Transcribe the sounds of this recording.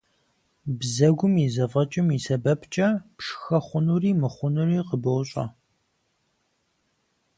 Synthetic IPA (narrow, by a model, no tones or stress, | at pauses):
bzɐɡʷʊmizɐvɐt͡ʃʼɪmisɐbɐpʰt͡ʃʼɐpʂxɐχʷʊnuriːmɨχʷʊnuriːqəbɐwɕʼɐ̰